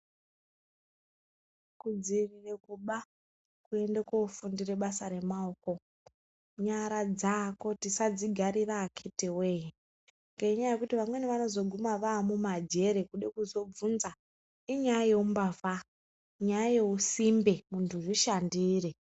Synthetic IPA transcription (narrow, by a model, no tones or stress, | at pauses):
kud͡zirire̞kuɓa | kue̞ndekoufundireɓasaɾe̞mao̞ko̞ | ɲaɾad͡zako̞tisad͡ziɡʱaɾiraːkʰeteweːji | ŋɡaiɲajajekutiʋamwe̞neʋano̞zo̞ɡʱumaʋaːmumad͡ʒe̞ɾe̞kuɗekuzo̞b͡vunza | iɲajajeumbava | ɲajajeusimbemuntʰuriʃandiːre